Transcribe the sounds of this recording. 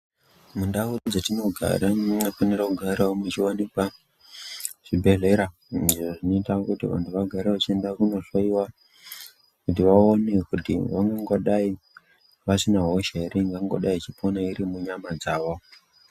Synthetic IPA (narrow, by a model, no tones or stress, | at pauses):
mundaud͡zetino̞ɡʱa̰ɾanafonerakuɡʱaɾaomut͡ʃiwanekwa | ʐ̥ibʱe̞ɮe̞ɾa | diʐoʐino̞itakutḭʋa̰ntʰuʋaɡʱaɾeʋat͡ʃie̞ndakuno̞ʂaiwa | kut̬iʋaonekutḭʋaŋɡaŋɡo̞ɗai | ʋasinaɦoʃaiɾiŋɡaŋɡo̰ɗait͡ʃipʰonaiɾimuɲamad͡zaːʋo̞